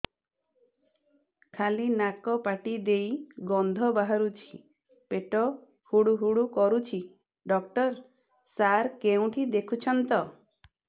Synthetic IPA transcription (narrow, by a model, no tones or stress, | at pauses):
kʰalinakɔpaʈid̪ejɡɔnd̪ʱɔbaɦaɾut͡ʃʰi̥ | peʈɔ | huɽuɦuɽukɔɾut͡ʃʰi | ɖɔkʈɔɾ | saɾkeũʈʰid̪ekʰut͡ʃʰɔnt̪ɔ